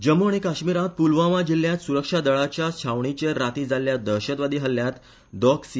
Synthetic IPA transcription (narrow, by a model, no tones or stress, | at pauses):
d͡ʑəmuaɽ̃ikaɕmiɾãt̪̚pulʋaʋad͡ʑil̤ːjãt̪suɾəkʂad̪əɭat͡ɕjat͡ɕʰaʋɳit͡ɕeɾat̪iːd͡zaljad̪əɾɕət̪ʋad̪iːɦəljãt̪ | d̪ɔksi